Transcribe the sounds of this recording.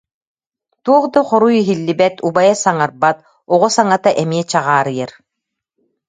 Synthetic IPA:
t̪uɔχd̪aχɔɾuiɦilːibɛt̪ubajasaŋaɾbat̪ | ɔʁusaŋat̪aʔɛmiɛt͡ɕaʁaːɾɯjaɾ

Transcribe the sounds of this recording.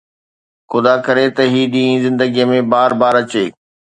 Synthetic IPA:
xʊd̪akɐɾet̪ɐɦiːɗĩːĩzɪ̃nd̪əɡijəmẽbaːɾbaːɾɐt͡ɕeː

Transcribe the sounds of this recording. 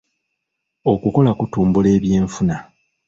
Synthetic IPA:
o̞kuko̞lakutuːmbule̞ːβje̞ːɱfuna

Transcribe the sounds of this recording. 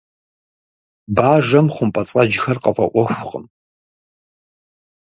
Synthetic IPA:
baːʒɐmχʷʊmpʼɐt͡sʼɐd͡ʒxɐrqɐfʷɐ̰ʔʷɔxʷʊqʼəm

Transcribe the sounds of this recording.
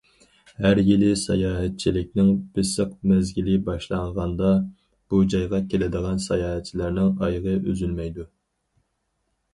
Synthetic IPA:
hæɾjilɪsɑjɑːɦɛt̪̚t͡ʃʰilɪk̚ʲnɪŋbɪsəq̚mɛzɡʲilɪbɑʃlˠɑɴʁɑnd̪ɑ | b̥ud͡ʒɑjʁɑkʲʰelɪd̪əʁɑnsɑjɑːɦɛt̪̚t͡ʃʰilæɾnɪŋɑjʁəʔøzylmɛjd̪u

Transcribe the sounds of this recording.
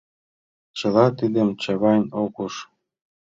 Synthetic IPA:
t͡ɕə̆lɑt̪id̪ə̆mt͡ɕɑβɑnʲokuʃ

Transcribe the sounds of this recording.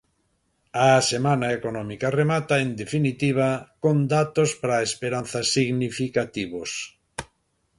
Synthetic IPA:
asemanaekonɔmikaremat̪aend̪efinit̪iβ̞akond̪at̪ospɾaespeɾan̟θɐsiɣnifikat̪iβos

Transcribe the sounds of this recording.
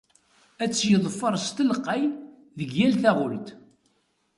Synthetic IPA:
æt͡sːjəðˤfːəɾˤst̪əlqːæj | ðəɡjælθæʁʊlt̪

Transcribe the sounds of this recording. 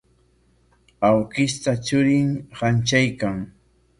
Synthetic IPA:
awkɪst̪at͡ʃʊɾɪŋhant͡ʃajkaŋ

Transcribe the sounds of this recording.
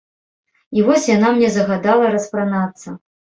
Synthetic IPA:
ivɔsʲjanamnʲɛzɐɣad̪alˠɐɾɐspɾanat̪sːɐ

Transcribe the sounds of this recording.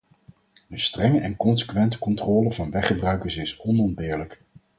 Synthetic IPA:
ənstrɛŋəʔɛnkɔnsə̥kʋɛntə̥kɔntrɔːləvɑnʋɛχəbrœɥkəɹsɪsɔnɔnbɪːɹlək

